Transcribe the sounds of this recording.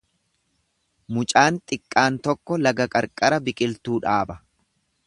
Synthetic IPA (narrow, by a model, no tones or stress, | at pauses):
mʊt͡ʃʼaːnt̪ʼɪkʼːaːnt̪ɔkːɔlɐɡɐkʼɐɾkʼɐɾɐbɪkʼɪlt̪uːᶑaːbɐ